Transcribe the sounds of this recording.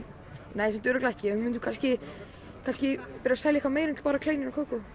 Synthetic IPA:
neːjsɛmnt̪ʏɾʏklaɛhcɪɛmɪnt̪ukʰanscɪ | kʰanscɪpɪɾɪasaːjljɛhkvameːjɾɪmɪ̥t̪ʰl̥paːɾakʰleɥnɪnawkʰoːwkɔ

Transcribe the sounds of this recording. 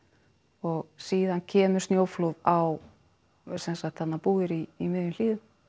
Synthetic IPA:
ɔɣsiːðancʰɛːmʏɾ̥st̪jowfloðaw | sɛnsaxt̪hat̪nːapuːɪɾiːmɪðʏnl̥iːðʏm

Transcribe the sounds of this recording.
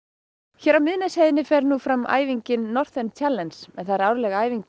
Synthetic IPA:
çɛːɾawmɪðnɛshɛjðɪnɪfɛɾnufɾama̰ːjviɲcɪnːɔr̥θɛnt̪ʰjalːɛnsmɛðθajɾaːwɾlɛɣaaːjviɲk

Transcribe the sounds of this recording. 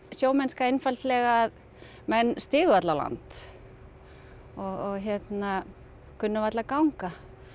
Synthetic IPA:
sjoːwmɛnskaejnfalt̪lɛɣað | mɛnːst̪ɪːɣʏvat̪lawla̰nt̪ | ɔɣɔɣçɛt̪na | kʰʏnːʏvat̪lakawŋka

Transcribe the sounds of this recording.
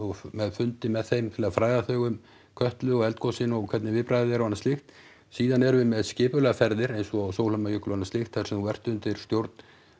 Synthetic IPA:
ɔɣmɛðfʏnt̪ɪmɛðθejmt̪ʰɪlafɾaːjðaθœːɣʏm | kʰœht̪lʏɔɣɛlt̪̚kʰowsɪnɔɣkʰvɛt̪nɪvɪpɾajðɪɛɾavanːast̪ɪxt̪ | siːðanɛɾvɪmɛðscɪːpʏlɛɣafɛɾðɪɾejnsɔawsowlœmajʏhklʏanast̪ɪxt̪θasɛmuvɛr̥t̪ʏʏnt̪ɪɾst̪jowɾt̪n̥

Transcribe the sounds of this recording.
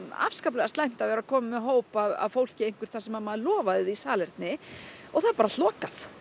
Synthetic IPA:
a̰fskaplɛɣast̪ajm̥t̪avɛɾakʰɔːmɪmɛðɦoːwpaða̰vfowl̥cɪejŋ̥kvʏɾ̥t̪θasɛmaðmaːðlɔːvaðɪðisaːlɛɾ̥t̪nɪɔɣθaðɾpaːɾal̥ɔːkaθ

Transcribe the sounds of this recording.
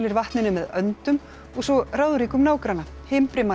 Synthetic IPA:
lɪɾvaht̪nɪnʏmɛðœnt̪ʏm | ɔɣsɔraːwðʏɾiːkʏmnaːwkɾanːa | hɪmpɾɪma

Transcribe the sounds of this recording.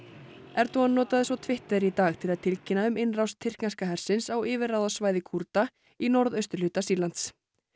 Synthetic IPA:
ɛɾt̪uanːɔːt̪aðɪsvɔt̪ʰvɪht̪ɛðɾit̪aːɣt̪ʰɪlaðt̪ʰɪlcɪnaʏmɪnrawst̪ʰːɪr̥knanskaɦɛɾ̥sɪnsawɪːvɪɾrawðasvaːjðɪkʰuɾt̪a | inɔɾðœɥst̪ʏɾ̥lʏːt̪asiːlant̪s

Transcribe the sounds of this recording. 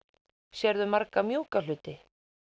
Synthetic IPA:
sjɛɾðʏmaɾkamjuːkal̥ʏːt̪ɪ

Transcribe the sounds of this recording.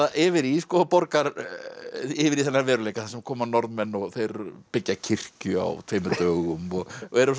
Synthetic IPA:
ʔɪvɪɾiskɔːpɔɾkaɾ | ɪvɪɾiθɛnːaɾvɛːɾʏlejkḁθaɾsɛmkʰɔːmanɔɾðmɛnːɔɣθejɾpɪcːacʰɪr̥cʏa̰wt̪ʰeːjmʏt̪œːɣʏmɔɣɛɾs

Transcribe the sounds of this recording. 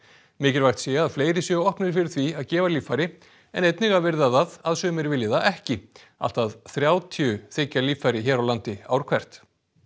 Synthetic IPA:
mɪːcɪɾvajɾ̥t̪sjɛaðfleːjɾɪsjœɣɔhpnɪɾ̥fɪɾɪɾ̥θviaðcɛːvaliːfajɾɪ | ɛ̰nejt̪nɪɣavɪɾðaðaðaðsœːmɪɾvɪljɪθaɛhcɪ | a̰l̥t̪aðθɾjaːwt̪ʰiʏθecːaliːfajɾɪɦɛːɾawlant̪ɪa̰ːwɾ̥kʰvɛr̥t̪

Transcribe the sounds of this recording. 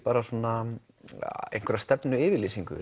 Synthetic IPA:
paːɾasoːna | ḛjnkɛɾast̪ɛpnʏɪːvɪɾliːsiŋkʏ̰

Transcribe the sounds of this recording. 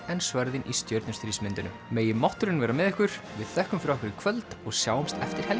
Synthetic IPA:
ɛnsvœɾðɪnʔist̪jœɾt̪nʏst̪ɾismɪnt̪ʏnʏ̰ | meːjɪmaht̪ʏɾɪnvɛːɾamɛðɛhkʏɾ̥vɪðθɛhkʏmfɾaɛhkʏɾɪkʰvœlt̪ɔɣsjaːwmst̪ɛft̪ɪɾ̥hɛl

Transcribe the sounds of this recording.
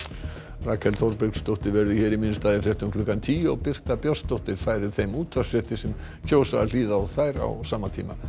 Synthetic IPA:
raːkʰɛlθɔwɾpɪkst̪owht̪ɪɾvɛɾðɪçɛːɾiminʏst̪aːðɪfɾjɛht̪ʏmkʰlʏːkant̪ʰiːɔɣpɪr̥t̪apjɔst̪owht̪ɪɾ̥faːjɾɪ̥θejmuːt̪ʰvasfɾɛht̪ɪsɛm | çʰoːwsaal̥iːðaθaːjɾa̰wsaːmat̪ʰḭːma̰

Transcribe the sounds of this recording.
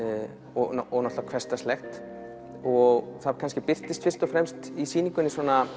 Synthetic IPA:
ɔɔnɔht̪avakʰvɛst̪ast̪lɛxt̪ | ɔɣθakʰans̬cɪpɪr̥t̪ɪst̪fɪr̥st̪ɔfɾɛmst̪isiːniŋkʏnːɪswɔːna

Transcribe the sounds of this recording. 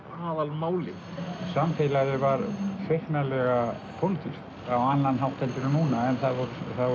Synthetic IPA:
aːðalmaːwlɪ | samfelaɾɪvaɾfeknalɛɣa | pʰownt̪ʏs | awanːanɦawt̪ʰɛlt̪ɪɾanuːnaɛnθavɔɾθa

